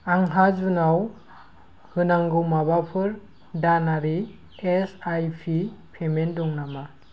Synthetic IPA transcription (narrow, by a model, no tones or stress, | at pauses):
aŋɦad͡ʒunaw | hɯnaŋɡɯwmabapʰɯɾ | danaɾi | esajpʰipʰemendɔŋnama